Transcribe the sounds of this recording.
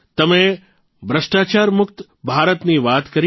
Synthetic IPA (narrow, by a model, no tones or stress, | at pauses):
t̪əmẽ | bɾəʂʈat͡ʃaɾmʊk̚t̪ | bʱaːɾət̪niʋaːt̪kəɾ